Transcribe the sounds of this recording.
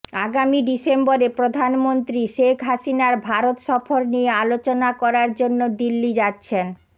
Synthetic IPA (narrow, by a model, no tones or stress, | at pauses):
aɡamiɖisemboɾepɾod̪ʱanmont̪ɾiʃekʰɦaʃinaɾbʱaɾot̪ʃɔfoɾniealot͡ɕonakɔɾaɾd͡ʑonːod̪ilːid͡ʑatːɕʰen